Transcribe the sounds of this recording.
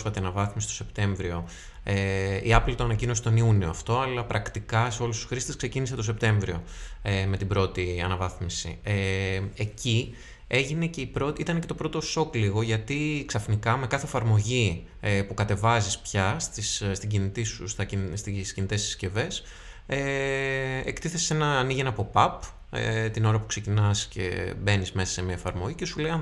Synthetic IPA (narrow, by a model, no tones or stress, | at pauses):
sfɐt̪eɐnɐvɐθmisi̥t̪o̥se̞pt̪e̞ɱvɾio̞ | eḭɐplt̪oɐnɐcino̞si̥t̪o̞niunioɐft̪o̞ɐlɐpɾɐkt̪ikɐseo̞lust̪u̥sxɾist̪eskse̞ciniset̪o̞se̞p̚t̪e̞ɱvɾio̞̰eme̞t̪ibɾo̞t̪iɐ̰nɐvɐθmisḭeeci | e̞ʝine̞ce̞ipɾo̞t̪it̪ɐne̞ce̞t̪opɾo̞t̪o̞so̞kliɣo̞ʝɐt̪iksɐfnikɐme̞kɐθeːfɐɾmo̞ʝi | epukɐt̪e̞vɐzispçɐst̪isst̪iɟinit̪isust̪ɐist̪iscinit̪e̞si̥sce̞ve̞s | e | ḛkt̪iθe̞se̞nɐːniʝenɐpo̞pɐp | ḛt̪ino̞ɾɐpukse̞cinɐsce̞̰be̞nizme̞sɐ̥se̞miɐefɐɾmo̞ʝicesuleɐn